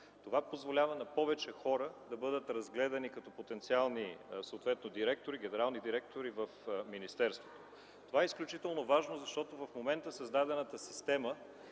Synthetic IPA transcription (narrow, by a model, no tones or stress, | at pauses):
t̪ovapozvolʲavɐnɐpɔvɛt͡ʃɛxɔɾəd̪ɐbɤd̪ət̪ɾɐzɡlɛd̪ɐnikɐt̪ɔpot̪ɛnt̪sialˠnisɐot̪vɛt̪nod̪iɾɛk̚t̪oɾiɡʲɛnɛɾalˠnid̪iɾɛk̚t̪oɾivəfminist̪ɛɾst̪vot̪o | t̪ovaɛisklʲut͡ʃit̪ɛlˠnovaʒnozɐʃt̪ɔt̪ovɐfmomɛnt̪əsɐzd̪ad̪ɛnət̪əsi̥st̪ɛmə